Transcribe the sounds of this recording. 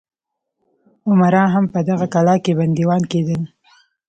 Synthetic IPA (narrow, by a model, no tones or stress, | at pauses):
ʊmaɾɑɦampəd̪aɣakalɑkeband̪iwɑnked̪əl